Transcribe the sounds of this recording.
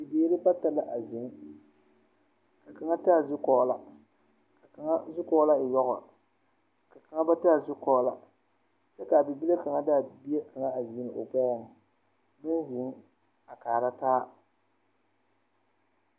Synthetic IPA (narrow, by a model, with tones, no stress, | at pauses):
ɪ˨beː˨˦ɾɪ˦ba˦ta˨la˦ʔa˨zɪ˨ŋ˦ | ka˨ka˨ŋa˦ta˦a˨zʊ˦kɔː˨˦la˨ | ka˨ka˨ŋa˦zʊ˦kɔː˦la˦ɪ˨jɔ˦ɣɔ̰˨ | ka˨ka˨ŋa˦ba˦ta˦a˨zʊ˦kɔː˨˦la˨ | t͡ʃɛ˦ka˨bɪ˨bi˦le˦ka˨ŋa˦da˦˨bi˦e˦kʰa˨ŋa˦a˨zi˨˦nɨ˨ʔo˨k͡pa˦ja˦˨ŋ˨ | bɪ˦nzɪ˨˦ŋ | a˨kaː˨ɾa˦taː˦